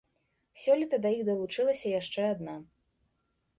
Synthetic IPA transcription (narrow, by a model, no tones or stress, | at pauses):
sʲɔlʲit̪ɐd̪ɐjiɣd̪ɐlˠut͡ʂɨlˠɐsʲɐjaʂt͡ʂɛad̪na